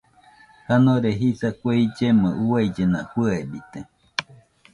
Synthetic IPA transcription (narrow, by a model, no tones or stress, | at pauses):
hanoɾeɦisakʷeid͡ʒemɨuaid͡ʒena̰huebit̪e